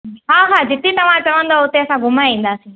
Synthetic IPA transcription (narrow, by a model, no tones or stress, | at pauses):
ɦãːɦãːd͡ʒɪt̪ːit̪ɐʋ̤ãt͡ʃɐʋə̃nd̪oot̪eɐsãɡʊmaĩːnd̪aːsĩː